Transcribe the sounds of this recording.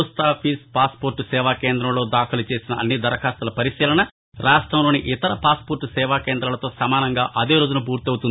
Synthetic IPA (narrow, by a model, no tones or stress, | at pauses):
st̪aːpʰiːspaːspoːɾʈusɛːʋaːkeːnd̪ɾɐmlo̞ːd̪aːkʰɐlut͡ʃe̞ːsinɐɐnːid̪ɐɾɐkʰaːst̪ɐlɐpɐɾiʃiːlɐɳɐ | ɾaːʂʈɾɐmlo̞ːniʔɪt̪ɐɾɐpaːspoːɾʈːusɛːʋaːkeːnd̪ɾɐlɐt̪o̞ːsɐmaːnɐŋɡaːʔɐd̪eːɾoːd͡ʒunɐpuːɾt̪iɐwt̪und̪i